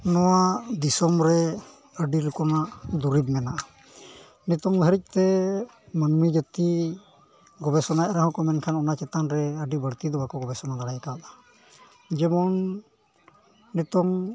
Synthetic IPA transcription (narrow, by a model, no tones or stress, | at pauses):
nɔwad̪isɔmɾɛ | əɖilukɔnaʔd̪uɾib̚mɛnaʔa | nɛt̪ɔŋbɦəɾic̚ˀt̪ɛ | mənmid͡ʒət̪i | ɡɔbɛsɔnaʔɛɾaɦɔ̃kɔmɛnkʰanɔnat͡ʃɛt̪anɾɛəɖibəɽt̪id̪ɔbakɔɡɔbɛsɔnad̪aɽajkad̪ḁ | d͡ʒɛmɔn | ɛt̪ɔŋ